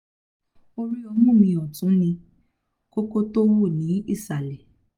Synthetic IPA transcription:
o˧ɾi˦ɔ˧mũ˦˨mĩ˧ɔ˨tũ˨˦nĩ˧ | ko˦ko˦to˦wu˦˨nĩ˨˦ḭ˦˨sa˨lɛ˨

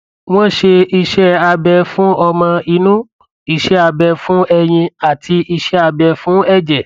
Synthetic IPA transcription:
w̃ɔ̃˦˨ʃe˧i˧ʃɛ˦a˧bɛ˧fũ˦ʔɔ˧mã˧i˧nũ˦ | i˧ʃɛ˦a˧bɛ˧fũ˦ɛ˧j̃ĩ˧a˨tʰi˧i˧ʃɛ˦a˧bɛ˧fũ˦ɛ˦˨d͡ʒɛ˨

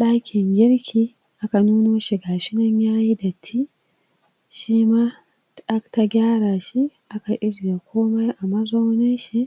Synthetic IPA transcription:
ɗaː˦kʲɪ˨ŋɡʲɪ˦ɽkʲiː˨ | ʔa˦ka˨nuː˦noː˦ʃi˨ɡaː˨ʃɪ˦nɐ˦ɲjaː˦ji˦dɐ˨tʰːiː˦ | ʃiː˦maː˦ | ɗa˦kta˦ɡʲaː˦ɽaː˨ʃi˦ʔa˦ka˨ʔɪ˦ze˨kʷʰoː˦ma˦jʔa˨mɐ˦za˦wnɪ˦nʃi˦ʔ

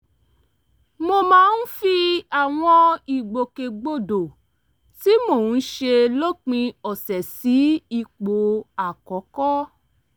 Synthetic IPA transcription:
mo˧mãː˦˧n̩˦fi˧a˦˨w̃ɔ̃˧i˨ɡ͡bo˨ke˨ɡ͡bo˦˨do˨ | ti˦mo˦˨˦ʃe˧lo˦k͡pĩ˧ɔ˨sɛ˨si˨˦i˧˨k͡po˨a˨kɔ˨˦kɔ˦

